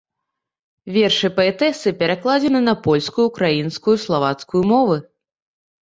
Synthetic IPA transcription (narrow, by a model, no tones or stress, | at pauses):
vʲɛrʂɨpɐɛt̪ɛsɨpʲɛɾaklˠad͡zʲɛnɨnɐpɔlʲskujukɾajinskujuslˠavat̪skujumɔvɨ